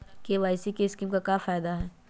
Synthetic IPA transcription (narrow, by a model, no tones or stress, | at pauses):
keʋaːɪsikeɪskiːmkakafaːɪd̪aɦɛː